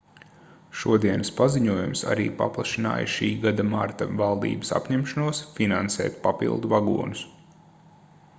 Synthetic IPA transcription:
ʃuɔd̪iɛnɐspaziɲuɔjumsa̰ɾḭːpa̰plˠaʃina̰ːjʃiːɡad̪amaɾt̪avalˠd̪ḭːbɐ̥sa̰pɲɛmʃanuɔsfinansɛ̰ːt̪papḭlˠd̪uvaɡṵɔnus

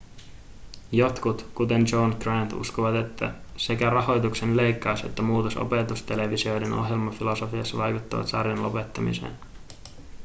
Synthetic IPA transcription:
jo̞t̪kut̪kut̪e̞nd͡ʒo̞ːnɡrænt̪ṵskoʋɑt̪e̞t̪ʰːæse̞kærɑho̞jt̪ukse̞nle̞jkːɑwse̞̰t̪ːæmuːt̪oso̰pe̞t̪ust̪e̞le̞ʋisio̞jde̞no̞̰ɦje̞lmɑfilo̞so̞fiɑsːɑʋɑjkut̪ːɑʋɑ̰t̪sɑ̰rjɑnlo̞pe̞t̪ːɑmḭsḛːn

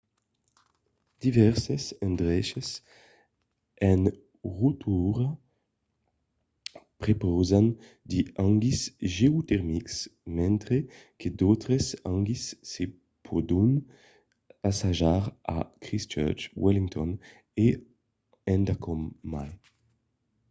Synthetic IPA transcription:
d̪̥ivɛʁsesɛnd̪ʁɛʃes | ɛn | ʁut̪ʰuʁa | pɾepɔzan | d̪iaŋɡisʒeut̪ɛʁmiksmɛnt̪ɾeked̪ɔt̪ɾesaŋɡisːe | pʰɔd̪un | asaʒaʁa̰kɾist͡ʃɛ̰ɾt͡ʃwɛliŋt̪ɔn | e | ɛnd̪akɔmːal

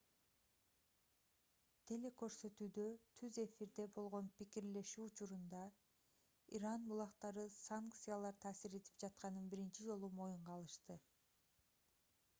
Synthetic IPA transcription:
t̪ʰe̞le̞kø̞ɾsø̞t̪yːd̪ø̞t̪ʰyze̞fiɾd̪e̞bo̞lˠʁo̞npikiɾle̞ʃyːt͡ʃuɾund̪ɑ | iɾɑnbulˠɑqt̪ɑɾɯsaŋkt̪sɨjalˠɑɾt̪ʰɑːsiɾe̞t̪ʰi̥p̚d͡ʒɑt̪qɑnɯnbiɾint͡ʃid͡ʒo̞lˠumo̞juɴʁɑlˠɯʃt̪ɯ

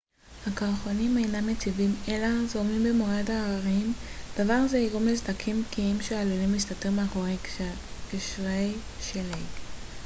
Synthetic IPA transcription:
hakaʁχonimejnamːet͡sivimelazomimbemoadaːaʁimd̥avaʁazeiʁomlezd̪akʰimkʰiimʃeaːlulimlist̪at̪imaaχoʁe | kiʃʁej | ʃelej

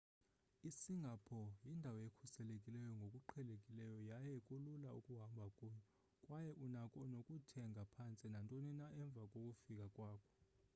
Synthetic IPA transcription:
isiŋɡʱapʰɔjindʱawɔjekʰusɛlekʼilɛjɔŋɡʱokʼuǃʰɛlekʼilɛjɔjajɛkʼululaukʼuɦambʱakʼuːɲɔ | kʼwajɛʔunakʼɔnokʼutʰɛŋɡʱapʰant͡sʼinantʼoninaʔɛɱb̪vʱakʼokʼufikʼakʼwaːkʰɔ̥

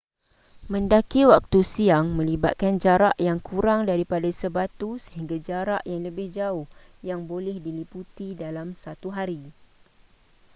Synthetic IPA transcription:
mə̃ndakiwak̚t̪usiaŋmə̃liba̰t̪̚kand͡ʒaɾaʔjaŋkuɾaŋdaɾipadasəbat̪usə̥ɦiŋɡad͡ʒaɾaʔjaŋləbɪhd͡ʒaʊhjaŋbolɛhdiliput̪idalamsat̪uɦaɾi

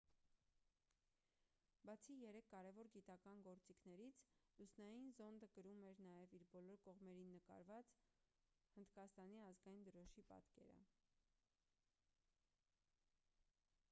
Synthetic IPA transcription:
bɑt͡sʰijɛɾɛkʰːɑɾɛvɔɾɡit̪ɑkɑnɡɔɾt͡sikʰnɛɾit͡sʰlusnɑjinzɔnd̪əɡəɾumɛɾnɑjɛviɾbɔlɔɾkɔʁmɛɾinːəkɑ̰ɾvɑt͡s | hənd̪kɑst̪ɑniɑzɡɑjind̪əɾɔʃipɑ̰t̪kɛ̰ɾə̰

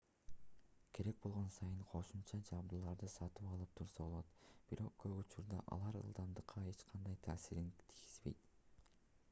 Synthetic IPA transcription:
kʰe̞ɾe̞k̚bo̞lˠʁo̞nsɑjɯɴqʰo̞ʃumt͡ʃɑd͡ʒɑbd̪ulˠɑɾd̪ɯsɑt̪ɯpɑlˠɯp̚t̪ʰuɾsɑbo̞lˠo̞t̪b̥iɾo̞q̚ɡøɡut͡ʃuɾd̪ɑ̰ʔɑ̰lˠɑɾɯ̰lˠd̪ɑmd̪ɯqʰːɑe̞t͡ʃqʰɑnd̪ɑjt̪ʰæːsiɾint̪ʰiɡiz̥be̞̰jt̪

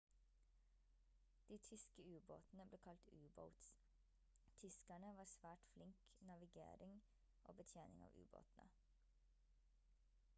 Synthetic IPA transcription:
d̪̥iːt̪ʰʏskəʉːboːt̪n̩əbleːkʰɑlt̪ʉːbə̰ʊt̪s | t̪ʰʏskæɳəʋɑːsʋæːʈflɪŋk | nɑʋɪɡḛːɾɪŋ | ʔo̰ːbət̪ʰjeːnɪ̰ŋɑ̰ːʋʉ̰ːbo̰ːt̪n̩ə̰

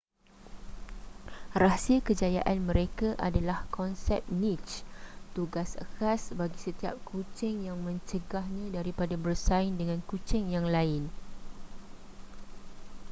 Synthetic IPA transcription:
rasiəkəd͡ʒajaʔanmə̃ɾekaʔa̰dalahkʰɔnsɛ̰p̚nĩt͡ʃt̪uɡasə̰kasbaɡisət̪ia̰p̚kʰut͡ʃɪŋjaŋmə̃ɲt͡ʃəɡahɲãdaɾipadabərsaɪndəŋãnkut͡ʃɪŋjaŋlaɪn

